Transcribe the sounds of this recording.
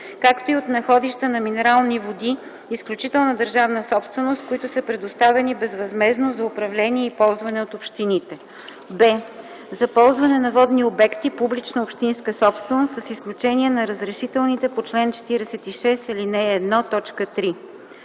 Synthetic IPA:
kakt̪oiot̪nɐxɔd̪iʃt̪ənɐminɛɾalˠnivod̪iː | sklʲut͡ʃit̪ɛlˠnəd̪əɾʒavnəsɔpst̪vɛnost̪̚koit̪ʊsəpɾɛd̪ost̪avɛnibɛzvɐzmɛznozɐʊpɾɐvlɛniɛipɔlˠzvɐnɛot̪opʃt̪init̪ɛ | bɛ | zɐpɔlˠzvɐnɛnɐvɔd̪niobɛkt̪ipublit͡ʃnoopʃt̪inskəsɔpst̪vɛnost̪səsisklʲut͡ʃɛniɛnɐɾəzɾɛʃit̪ɛlˠnit̪ɛpot͡ʃlɛnt͡ʃɛ̥t̪iɾɛsɛt̪iʃɛsɛlinɛːd̪nɔt̪ɔt͡ʃkət̪ɾi

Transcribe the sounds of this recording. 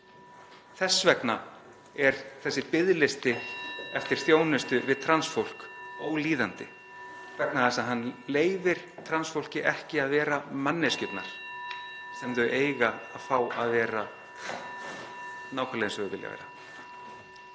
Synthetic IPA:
θɛsːvɛkna | ɛɾθɛsːɪpɪðlɪst̪ɪɛft̪ɪɾ̥θjoːwnɪst̪ʏvɪðt̪ʰɾansfowl̥kowliːðant̪ɪ | kʰv̥ɛknaθɛsaðɦanːleːjvɪɾ̥t̪ʰɾansfowl̥cɪʔɛhcɪaðvɛːɾamanːɪscʏp̪na̰ɾ̥ | sɛmðʏʔeːjɣaːðfaːwaðvɛːɾa | naːwkʰœɾleðnsœɣʏpɪlja̰vḛjɾa

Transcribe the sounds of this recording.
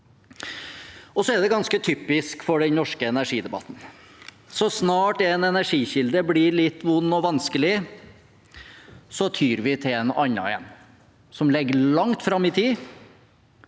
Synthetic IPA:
ɔsɔæd̪ɛɡɑnskət̪ʰyːpɪskfɔɖɛnnɔʂkəɛnæʂiːd̪ɛbɑ̰t̪ːn̩ | sɔsnɑːʈɛnɛnæʂiːçɪld̪əblɪɭɪt̪ːʋʊnːɔʋɑnskəlɪ | sɔt̪ʰyːɾʋɪt̪ʰɪɛnɑɲːɑ̰ɪɛ̰n | sɔmlɛɡːəlɑŋt̪fɾɑmːɪt̪ʰiː

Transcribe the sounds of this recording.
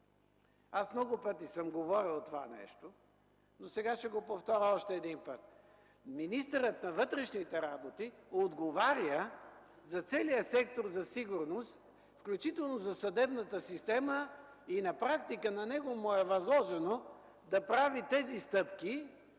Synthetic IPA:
asmnɔɡʊpɤt̪isəmɡovɔɾilˠt̪ova̰nɛ̰ʃt̪o | nosɛɡaʃɛɡopoft̪ɔɾʲəɔʃt̪ɛːd̪inpət̪̚ | minist̪əɾət̪nɐvɤt̪ɾɛʃnit̪ɛɾabot̪iod̪ɡovaɾʲjə | zɐt̪sɛlijəsɛk̚t̪oɾzɐsiɡʊɾnost̪ | fklʲut͡ʃit̪ɛlˠnozɐsɐd̪ɛbnət̪əsist̪ɛmə | inɐpɾak̚t̪ikənɐnɛɡomoɛvɐzlˠɔʒɛno | d̪ɐpɾavit̪ɛzist̪ɤpki

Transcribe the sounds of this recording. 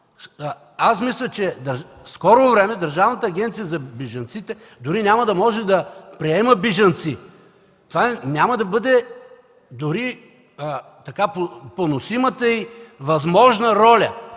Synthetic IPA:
asmislʲət͡ʃɛd̪ɐɾ | skɔɾovɾɛmɛd̪ɐɾʒavnət̪əːɡʲɛnt̪sijəzɐbɛʒɐnt̪sit̪ɛ | d̪ʊɾinʲamɐd̪ɐmɔʒɛd̪ɐpɾiɛməbiʒɐnt̪si | t̪ovanʲaməd̪ɐbɤd̪ɛ | d̪ʊɾi | t̪ɐkapoponosimət̪əivɐzmɔʒnəɾɔlʲɐ

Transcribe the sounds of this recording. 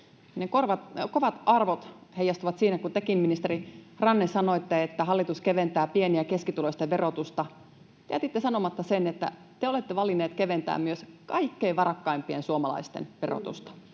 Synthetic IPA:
nekorʋɑt̪koʋɑt̪ɑrʋot̪hejːˑɑst̪uʋɑt̪siːnækut̪ekimːinist̪erirɑnːesɑnoet̪ːæet̪ːæɦɑlːit̪uskeʋent̪æːpieniækeskit̪uloist̪eʋʋerot̪ust̪ɑ | t̪eæt̪it̪ːesɑnomɑt̪ːɑsenet̪ːæ̰ | t̪eolet̪ːeʋɑlinːeːt̪keʋent̪æ̰ːmmyøskɑikːeːʋɑrɑkːɑimpiensuomɑlɑ̰ist̪ḛnʋero̰t̪ṵst̪ɑ̥

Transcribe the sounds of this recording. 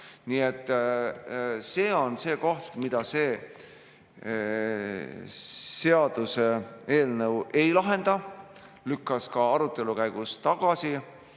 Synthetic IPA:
niet̪ːˑ | se̞ːo̞nse̞ːko̞ht̪mid̪̥ɑse̞ː | se̞ɑd̪̥use̞e̞ːlnɤwʔe̞jlɑɦe̞nd̪̥ɑ | lykːɑskɑɑɾut̪ːˑe̞lukæjɡ̥ust̪ɑɡ̥ɑsi

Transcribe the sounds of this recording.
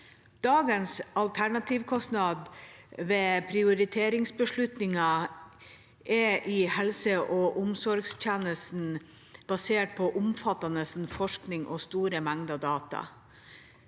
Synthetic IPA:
d̪̥ɑːɡənsɑlt̪ʰæɳɑt̪ʰɪʋkʰɔsnɑd̪ʋeːpʰɾɪʊɾɪt̪ʰeːɾɪŋsbəʂɭʉt̪nɪŋɑ | ʔɛʔɪhɛlsəʔɔːʔʊmsɔɾɡsc͡çɛnəsn̩ | b̥ɑseːʈ̚pʰɔʔʊmfɑt̪ɑnəsn̩fɔʂknɪŋʔɔ̰st̪uːɾəmæŋd̪ɑd̪ɑːt̪ɑ̰

